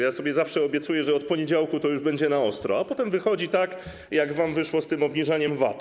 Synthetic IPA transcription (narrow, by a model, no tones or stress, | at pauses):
jasɔbʲjɛzafʂɛɔbʲjɛt̪sujɛʐɛɔt̪̚pɔɲed͡ʑawkut̪ɔjuʐbɛɲd͡ʑɛnaɔst̪ɾɔapɔt̪ɛmvɘxɔd͡ʑit̪ak | jaɡvamvɘʂwɔst̪ɘmɔbɲiʐaɲɛmva̰t̪